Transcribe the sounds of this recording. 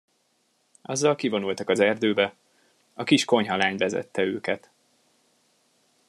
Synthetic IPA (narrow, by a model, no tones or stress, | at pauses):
ɒ̰zːɒlkivo̞nult̪ɒkɒzɛrd̪øːbɛ | ɒkiʃko̞ɲɦɒlaːɲvɛzɛ̰t̪ːɛøːkɛt̪